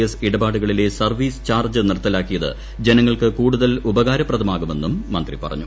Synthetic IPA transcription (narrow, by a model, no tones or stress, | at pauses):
ɐsiɽɐbaːɽuɣɐɭile̞sɐrʋiːst͡ɕaːrd͡ʑɨnirt̪ːɐlaːkːijɐðɨ̰ | d͡ʑenɐŋːɐɭkɨkuːɽuðɐlubɐɣaːɾɐprɐðɐmaːɣume̞nːumːɐnd̪ripɐ̰rɐ̰ɲːu